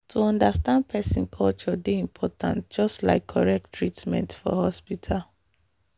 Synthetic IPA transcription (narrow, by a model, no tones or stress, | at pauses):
tʰuɔ̃ndastãnd̚pʰɛsĩnkʰɔlt͡ʃɔdeĩmpʰɔtã̰nt̚d͡ʒɔstla̰ɪkʰːɔɹɛk̚tɹitmɛ̰̃ntfɔ̰hɔspitʰal